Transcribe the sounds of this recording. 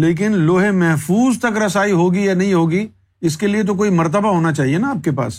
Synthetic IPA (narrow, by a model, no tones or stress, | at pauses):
leːk̬ɪnloːɦẽmɛɦfuːzt̪ɐkɾɐsaːiɦoːɡijanɐɦĩɦoːɡi | ɪskeliet̪̬ok̬oːimɐɾt̪əbaɦoːnat͡ʃaːɦienaaːp̚kepa̰ːs